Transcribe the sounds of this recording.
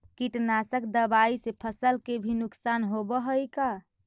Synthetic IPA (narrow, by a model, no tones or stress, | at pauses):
kiʈnasəkd̪əbaisepʰəsəlkebʱinuksanɦobəɦəjka